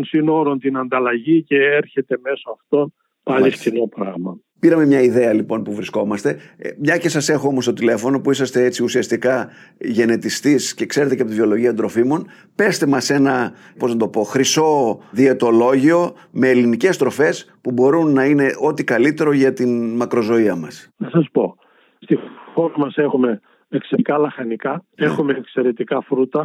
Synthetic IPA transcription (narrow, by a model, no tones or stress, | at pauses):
onsino̞ɾont̪inɐnd̪ɐlɐʝiceeɾçe̞t̪e̞me̞soɐft̪o̞n | pɐʎift̪inopɾɐɣmɐ | piɾɐme̞mɲɐiðe̞ɐlipo̞npuvɾisko̞mɐst̪e̞mɲɐce̞sɐse̞xoo̞most̪o̞t̪ile̞fo̞no̞puisɐst̪e̞et͡siusiɐst̪ikɐʝe̞ne̞t̪ist̪isce̞kse̞ɾe̞t̪eceɐpot̪ivio̞lo̞ʝiɐd̪ɾo̞fimo̞n | pe̞st̪emɐse̞nɐ | po̞znɐt̪o̞po̞xɾiso̞ðie̞t̪o̞lo̞ʝio̞ | me̞ːlinice̞st̪ɾo̞fe̞spubo̞ɾunːɐine̞ʔo̞t̪ikɐlit̪e̞ɾo̞ʝɐt̪inmɐkɾo̞zo̞iɐmɐsnɐsɐspo̞ | st̪ixoɾɐmɐse̞xume̞ | ekseikɐlɐxɐnikɐexumekse̞ɾe̞t̪ikɐfɾut̪ɐ